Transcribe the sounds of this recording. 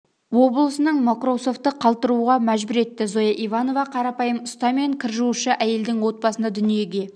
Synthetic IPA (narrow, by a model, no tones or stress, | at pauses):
wo̞blˠəsənəɴmakro̞so̞ft̪ːəqʰɑlˠt̪əɾuʁɑmæʒbʊɾe̞t̪ːɪzo̞jɑʔivɑno̞vɑqʰɑɾɑpɑjəmʊst̪ɑme̞ŋkʲʰɪɾʒuwəʃəʔæje̞ld̪ɪŋwo̞t̪̚bɑsənd̪ɑd̪ʏnije̞ɡʲe̞